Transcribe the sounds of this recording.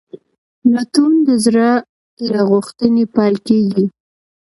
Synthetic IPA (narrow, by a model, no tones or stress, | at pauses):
nɑt̪und̪əzɾa | ɾaɣʊxt̪ənepɑlkeɡi